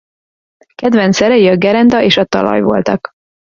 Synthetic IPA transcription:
kɛd̪vɛnt̪sɛɾɛjiɒɡɛɾɛnd̪ɒʔeːʃɒt̪ɒ̰lɒ̰jvo̞̰lt̪ɒk

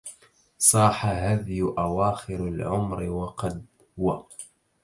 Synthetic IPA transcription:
sˤɑːħaɦaːðɪjʔawaːxɪɾalʕʊmɾɪwɑqɑd̪ | hʊwa

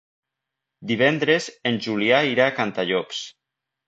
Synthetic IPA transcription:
d̪iβ̞ɛnd̪ɾezenʲʒuliaiɾakant̪aʎɔps

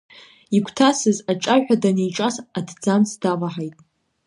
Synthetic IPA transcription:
ikʷʰtʰasɨzaʈ͡ʂʼaadanejʈ͡ʂʼasadd͡zamsdavaħajtʼ

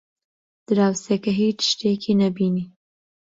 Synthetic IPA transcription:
d̪̥əɾawsekaɦet͡ʃʃʈekʰinabini

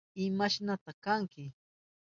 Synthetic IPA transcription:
ɪmaʃnat̪akaŋkɪ

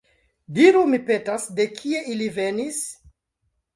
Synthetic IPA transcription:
diɾumipe̞tasde̞kʰie̞ʔilive̞nis

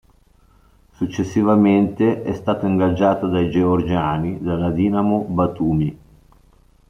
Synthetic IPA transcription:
sut͡ʃːesːivament̪eʔɛst̪aːt̪oiŋɡad͡ʒaːt̪od̪ajd͡ʒeord͡ʒaːnid̪alad̪iːnamobat̪uːmi

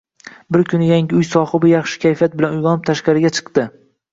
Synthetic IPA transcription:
bɪɾkʲʰʊnɪjaŋʲɪʊjsɒhɨbɪjɑχʃɪ̥kʲʰajfijat̪̚bɪlanʊjʁɒnɪp̚t̪ʰaʃqɑɾɪɡʲat͡ʃʰɨ̥qd̪ɪ

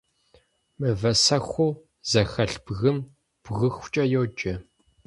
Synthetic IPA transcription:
mɨvɐsɐxʷʊː | z̥ɐxɐɬb̥ɣɨm | b̥ɣɨxʷt͡ʃʼɐjoːd͡ʒʼɐ

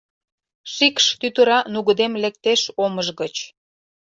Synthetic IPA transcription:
ʃikʃt̪yt̪əɾɑnuɣəd̪emlek̚t̪eʃoməʒɣət͡ɕ

